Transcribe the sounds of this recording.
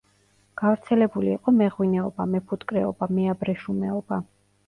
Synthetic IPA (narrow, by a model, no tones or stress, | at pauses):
ɡ̥avɾt̪sʰɛlɛbuliːqʼɔmɛʁwinɛɔbamɛpʰut̪ʼkʼɾɛɔ̰bamɛabɾɛʃumɛɔba